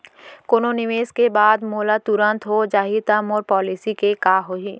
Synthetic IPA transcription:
koːnonɪʋeːskebaːd̪moːlat̪ʊɾə̃nt̪ɦod͡ʒaːɦit̪əmɔːɾpɔːlɪsikekaːɦoɦiː

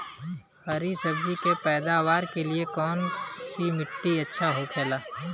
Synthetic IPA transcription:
hɐɾisɐbd͡ʒikepɛːd̪aːʋaːɾkeliekɔːnsimɪʈːiɐtːʃʰaɦokʰeːlaː

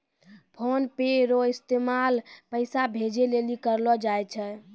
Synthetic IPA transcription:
pʰonpeɾoist̪emalpəɪsabʱed͡ʒelelikəɾlɔd͡ʒajt͡ʃʰɛ

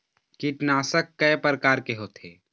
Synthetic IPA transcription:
kiʈnaːsəkːəjpəɾəkaːɾkeɦoːt̪ʰeː

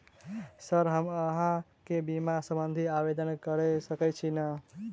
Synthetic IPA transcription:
səɾɦəməɦãkebimasəmbənd̪ʱiabed̪ənkəɾesəkɛt͡ʃʰinə

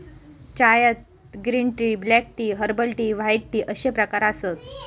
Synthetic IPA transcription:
t͡ɕajət̪̚ | ɡɾinʈɾiːblɛk̚ʈiːɦəɾbəlʈiʋajʈʈiʔəɕepɾəkaɾasət̪

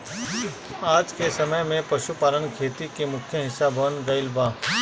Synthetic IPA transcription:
aːd͡ʒkesɐməjmẽpɐʃupaːlənkʰeːt̪ikemʊkʰjəɦɪsabʱənɡɐɪlbaː

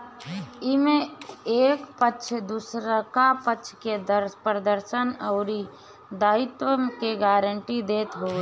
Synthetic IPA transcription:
imẽeːkpətːʃʰd̪usɾəkapətːʃʰked̪əɾpɾəd̪əɾʃənəʊɾi | d̪aːɪt̪wəmkeɡaːɾəɳʈid̪eːt̪ɦo

